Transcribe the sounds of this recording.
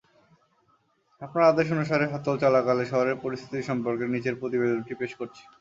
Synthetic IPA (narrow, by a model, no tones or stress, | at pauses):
apnaɾad̪eʃ̬onuʃ̬aɾeɦɔt̪olt͡ɕalakaleʃɔɦoɾeɾpoɾist̪ʰi̥t̪iɾʃɔmpoɾkeɾnit͡ɕeɾpɾot̪ibed̪onʈipeʃkoɾt͡ɕʰi̥